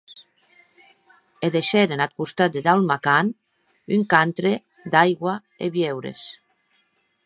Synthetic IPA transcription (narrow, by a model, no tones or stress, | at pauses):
eðeʃeɾenat̪̚kust̪at̪̚d̪ed̪awmakan | yŋkant̪ɾe | d̪ajɣwa | ḛβjewɾḛs